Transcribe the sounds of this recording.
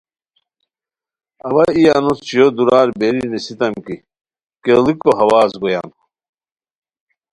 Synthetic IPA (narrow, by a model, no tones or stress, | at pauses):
ɐwɐijanust͡ɕijod̪uɾaːɾbeɾinisit̪ɐmki | kelikoɦɐwaːzɡoja̰ːnu